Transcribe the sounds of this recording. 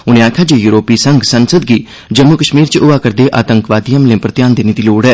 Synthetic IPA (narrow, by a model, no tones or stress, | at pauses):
ʊnẽːaːkʰjaːd͡ʒeːjuːɾoːpiːsəŋɡsənsəd̪̚ɡiː | d͡ʒəmːukəʃmiːɾt͡ʃʔʊaːkəɾd̪eːʔa̰ːt̪ə̃ŋkʋaːd̪ijəmlɪ̃pəɾət̪jaːnd̪eːneːd̪iːloːɽɛː